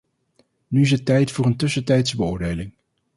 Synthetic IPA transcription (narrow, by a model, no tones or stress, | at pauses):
nyɪs̬ətɛjtfʊːɹəntɵsəntɛjtsbəʊːɹdejlɪŋ